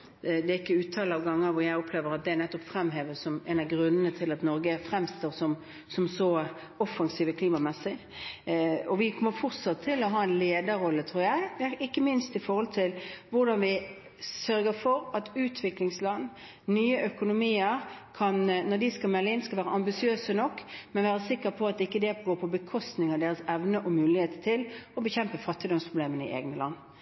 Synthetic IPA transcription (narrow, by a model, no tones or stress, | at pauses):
d̪ɛɪkːəʉːt̪ʰɑːləɑːʋɡɑŋːəɾʋʊɾjæɪɔpʰleːʋəɾɑt̪̚d̪ɛænɛt̪ːɔpfɾɛmɦeːʋəsɔmɛnɑɡɾʉnːənət̪ʰɪlɑt̪nɔɾɡəfɾɛmst̪oːʁsɔm | sɔmsɔ | ɔfːɑŋsiːʋəkʰliːmɑmɛsːɪ | ɔʋɪkʰɔməfʊʁt̪sɑt̪ʰːɪlɔɦɑːɛnleːd̪əɾɔlːət̪ʰɾuːɾjæɪd̪ɪkːəmɪnst̪ɪfɔɾhɔlt̪ʰɪlʋʊɾd̪ɑnʋɪ | sœɾɡəfɔɾɑt̪ʉːt̪ʰʋɪklɪŋslɑn | nyːəʔœkʊnʊmiːəɾkʰɑnnɔd̪ɪskɑlmɛlːəɪnskɑlʋæːɾəɑmbɪsɪøːsənɔkːmɛnʋæːɾəsɪkːəpʰɔɑt̪ɪkːəd̪ɛɡoːpʰɔbəkʰɔst̪nɪŋəʁd̪eːɾəsɛʋnəʔɔmʉːlɪheːt̪ət̪ʰɪlɔbəçɛmpəfɑt̪ːɪd̪ɔmspʰʁʊbleːmənəɪ̰ʔḛːɡnəlɑ̰nː